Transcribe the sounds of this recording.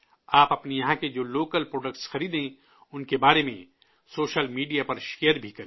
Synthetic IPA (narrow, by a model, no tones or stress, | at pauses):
aːpɐpnijɐɦãked͡ʒoːloːkəlpɾoːɖək̚ʈsxɐɾiːd̪ɦẽ | ʊnkebaːɾemḛ̃ | soːʃəlmiːɖijapɐɾʃejəɾbʱikɐɾ